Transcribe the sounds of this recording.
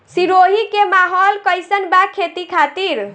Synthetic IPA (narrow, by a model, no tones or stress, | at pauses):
siɾoɦikemaɦɔlkəjsənbakʰet̪ikʰat̪iɾ